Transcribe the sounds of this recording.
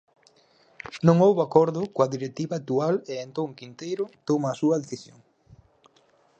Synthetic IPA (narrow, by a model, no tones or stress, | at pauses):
nõŋowβakoɾðʊkoɐðiɾet̪iβaːk̚t̪ualeːnt̪oŋkint̪ejɾʊt̪omaːsuɐðeθisjo̰ŋ